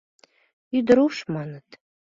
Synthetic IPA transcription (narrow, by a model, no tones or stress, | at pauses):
yd̪əɾuʃmɑnət̪